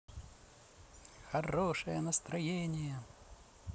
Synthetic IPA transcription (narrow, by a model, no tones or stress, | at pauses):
xɐroʂɨjənəst̪ɾɐjenʲɪjə